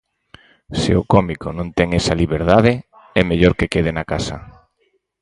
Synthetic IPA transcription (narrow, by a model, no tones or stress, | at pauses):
sɪ̰ʊkɔmikonõnt̪ɛŋɛsaliβ̞eɾðaðe | ɛmeʎoɾkekeð̞enakasɐ̰